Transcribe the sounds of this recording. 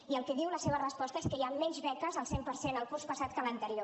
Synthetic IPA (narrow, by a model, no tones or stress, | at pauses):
iəlˠkɛðiwləseβ̞ərəspɔst̪əeskəjamːɛɲzβɛkəzəlˠsempəɾsenəlˠkurspəsat̪̚kələnt̪əɾio